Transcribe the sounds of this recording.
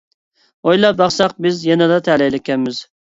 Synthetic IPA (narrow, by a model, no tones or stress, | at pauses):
ojlˠɑbɑχsɑq̚bɪzjɛnɨd̪ɑt̪ʰɛlɛjlɪkʲʰːɛnmɪz